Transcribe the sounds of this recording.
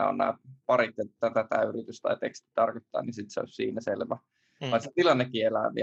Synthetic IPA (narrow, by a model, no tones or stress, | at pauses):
æ̰o̰nnæ̰ːpɑrit̪ːet̪t̪ːæt̪æt̪æ̰yrit̪yst̪ɑ̰it̪ḛkst̪i̥t̪ɑrkot̪ːɑ̰ːnisit̪seo̰sʲsiːnæselʋæ | ʋɑset̪ilɑnːekːielæʋḭ